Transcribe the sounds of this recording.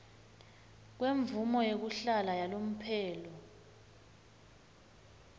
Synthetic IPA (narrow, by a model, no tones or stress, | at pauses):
k̬weɱvumɔjek̬uɬalajalom̩pʰɛːlɔ